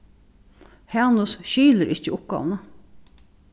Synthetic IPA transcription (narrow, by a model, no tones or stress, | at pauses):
hɛnʊsʃyːləɾʔɪçəʔʊp̚ɡɑ̰ʋnə